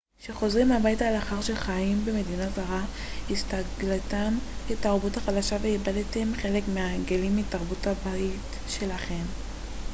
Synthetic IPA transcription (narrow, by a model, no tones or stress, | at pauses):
ʃe̞χo̞zʁimhabajitaleaχaʁʃelχaimbeme̞dinazaʁa | hist̪aɡlatamketaʁbuthaχadaʃaveibadetemχe̞le̞kmeaɡelimitaʁbutabait | ʃe̞laχe̞m